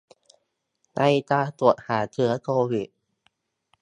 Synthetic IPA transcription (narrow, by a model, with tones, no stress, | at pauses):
na˧jt̪aː˧t̪u˨˩ə˩t̪̚haː˩˦t̪ʰɯ˩˦ɐkʰoː˧wi˨˩t̪̚